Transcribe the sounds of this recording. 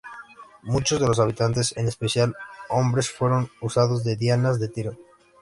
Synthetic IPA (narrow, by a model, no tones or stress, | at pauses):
mut͡ʃo̞zðe̞losaβ̞it̪ant̪e̞senespeθjalo̞mbɾe̞sfwe̞ɾo̞nusað̞o̞zðe̞ðjanazðe̞t̪iɾo